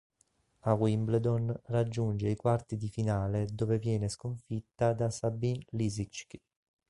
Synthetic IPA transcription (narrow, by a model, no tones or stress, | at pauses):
awimbld̪onrad͡ʒːund͡ʒeikwart̪id̪ifinaːled̪oːvevjɛːneskoɱfit̪ːad̪asabinlizit͡ʃki